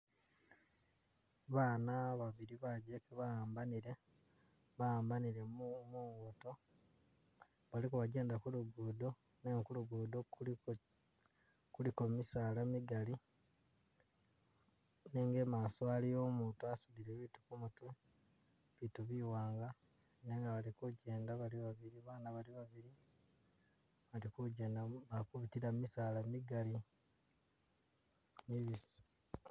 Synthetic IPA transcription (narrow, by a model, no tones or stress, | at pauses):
βaːnaβaβiɾiβaɟekeβaaːmbaniɾe̞ | βaaːmbaniɾe̞mumuuto̞ | βalikuβaɟe̞ːndakuluɡuːdo̞ | neːŋkuluɡuːdo̞ | kulikomisaːlamiɡali | neːŋɡe̞maːsoalijoːmuːntuasuβiɾeβitu̥kumutu | βituβiwaːŋɡa | neːŋɡaβalikuɟe̞ːndaβaliβaβiɾiβaːnaβaliβaβiɾi | βalikuɟeːndaβakuβitiɾammisaːlamiɡali | miβisi̥